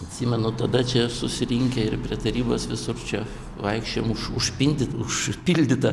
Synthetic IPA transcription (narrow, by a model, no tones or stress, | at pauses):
ɐt̪ʲsʲiːmʲɛnʊt̪ɐd̪ɐt͡ʃʲɛsʊsʲɪɾʲiŋʲkʲɛɪrpʲɾʲiɛt̪ɐɾʲiːboːsʋʲɪsʊrt͡ʃʲɛ | ʋɐɪkʃʲt͡ʃʲemʊʃʊʃpʲinʲd̪ʲɪt̪ʊʃpʲilʲd̪ʲɪt̪ɐ